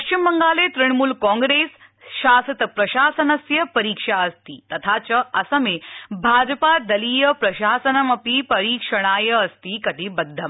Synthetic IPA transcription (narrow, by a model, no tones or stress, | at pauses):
pɐʃimbəŋɡaːlet̪ɾiɳ̃muːlkɔ̃ːŋɡɾeːs | ʃaːsɐt̪pɾɐɕaːsɐnɐsjɐpɐɾiːkʂaɐst̪iːt̪ɐt̪ʰaːt͡ɕɐɐsɐmebʱaːd͡ʒpad̪ɐliːjɐpɾɐʃaːsɐnɐmɐpipɐɾiːkʂɐɽ̃aːjɐɐst̪iːkɐt̪iːbɐd̪ʱːɐm